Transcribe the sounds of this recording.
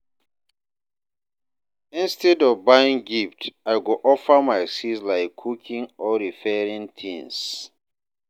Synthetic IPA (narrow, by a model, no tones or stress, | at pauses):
ĩnstʰɛdɔvbajĩŋɡiftajɡoʔɔfəmajsislaɪkʰːukʰĩŋɔɹifɛɹĩŋtʰĩŋs